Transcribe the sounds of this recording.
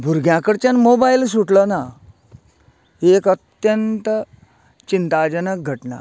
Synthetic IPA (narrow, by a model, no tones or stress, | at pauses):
bʱuɾɡʱjãkəɽt͡ɕanmobails̬uʈləna | ekət̪jənt̪ | t͡ɕint̪ad͡ʑənək̚ɡʱəʈna̰